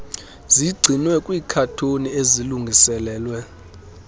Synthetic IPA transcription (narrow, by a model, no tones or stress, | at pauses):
ziɡ͡ǀʱinwɛkʼwiːkʰatʰonieziluŋɡʱisɛlɛːlwɛ